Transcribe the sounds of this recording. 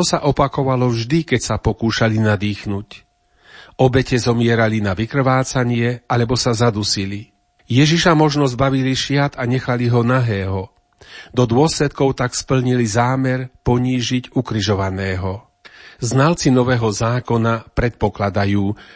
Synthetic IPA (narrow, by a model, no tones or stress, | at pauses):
ɔsaʔɔpakɔʋalɔvʒd̪ikɛcsapɔkuːʃalinad̪iːxnuc | ɔbɛcɛzɔmɪɛɾalinaʋikr̩ʋaːt͡saɲɪɛalɛbɔsazad̪usili | jɛʒiʃamɔʒnɔzbaʋiliʃɪat̪aɲɛxaliɦɔnaɦɛːɦɔ | d̪ɔd̪ʊɔslɛt̪̚kɔʊt̪akspl̩ɲilizaːmɛɾpɔɲiːʒiɟukɾiʒɔʋanɛːɦɔ | znalt͡sinɔʋɛːɦɔzaːkɔnapɾɛt̪̚pɔklad̪ajuː